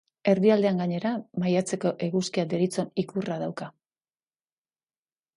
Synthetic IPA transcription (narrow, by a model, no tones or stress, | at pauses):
e̞ɾðiald̪e̞aŋɡaɲe̞ɾamajat͡se̞ko̞ʔe̞ɣuskiad̪e̞ɾit͡so̞nikurað̞awka